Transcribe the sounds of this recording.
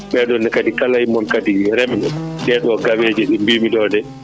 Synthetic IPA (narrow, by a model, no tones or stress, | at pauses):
ɓɛɗɔndɛkadikalahimɔnkadiɾɛmɗɛɗɛɗɔɡaweːd͡ʒɛɗimbimidɔdɛ